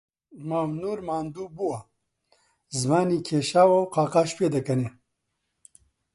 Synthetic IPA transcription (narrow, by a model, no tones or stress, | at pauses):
mɐwnuɾmaːnd̪ubuwa | zmaːnikʰeʃawawqaːqaʃped̪ɐkɐne